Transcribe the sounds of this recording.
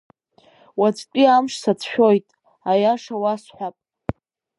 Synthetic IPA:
wat͡sʷʼkʲʼiamʂsat͡sʰʃᶣo̞jtʼ | ajaʂawasħʷapʼ

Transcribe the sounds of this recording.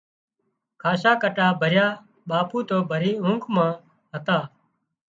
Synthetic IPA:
kʰaːʃaːkəʈaːbʱəɾjaː | ɓaːpuːt̪oːbʱəɾiːʊ̃ːŋkʰmãː | ɦət̪aː

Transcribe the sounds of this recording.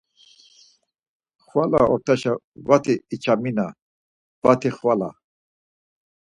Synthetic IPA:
χwala̰ɔɾt̪ʰaʃa | vat̪ʰiːt͡ʃʰamina | vat̪ʰiχvala̰

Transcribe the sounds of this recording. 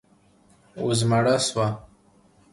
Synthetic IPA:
uzmaɽaswa

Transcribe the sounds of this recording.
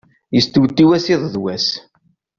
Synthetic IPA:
jəst̪uwt̪ːiwæsiðˤðwæs

